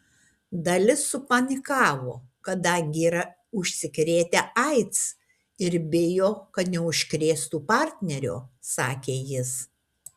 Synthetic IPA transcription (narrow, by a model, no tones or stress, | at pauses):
d̪ɐlʲɪsːʊpɐnʲɪkɑːʋoːkɐd̪ɐŋʲɡʲɪiːɾɐ | ʊʃʲsʲɪkɾʲeːt̪ʲeʔɐɪt̪s | ɪɾbʲɪjoːkɐt̪nʲɛʊʃʲkɾʲeːst̪uːpɑˑɾʲt̪ʲnʲɛɾʲo̰ːsɑːkʲeːjɪs